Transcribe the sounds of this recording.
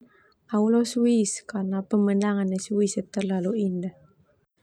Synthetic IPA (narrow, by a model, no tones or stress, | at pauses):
aulosuiskanapəmənaŋanːesuisət̪ːərlaluindəh